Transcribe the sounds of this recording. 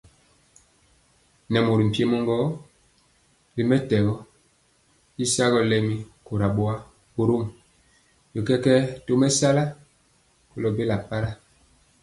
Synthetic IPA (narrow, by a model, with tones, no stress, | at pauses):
nɛ˨mo˨ɾi˨m̩˨pje˦mɔ˦ŋɡɔ˦ | li˨mɛ˦tɛ˨ɣɔ˦ | i˦sa˦ɣɔ˦lɛ˦mi˦ko˨ɾa˨ɓo˦a˦ | o˨ɾo˦m | jo˨kɛ˦kɛ˦to˦mɛ˦sa˦la˦ | ko˨lɔ˨be˦la˨pa˦ɾa˦